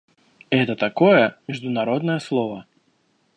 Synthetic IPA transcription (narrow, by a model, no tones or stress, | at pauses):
ɛt̪ɐt̪akɔjɛmʲiʐd̪unaɾɔd̪nɐjɛslˠɔvɐ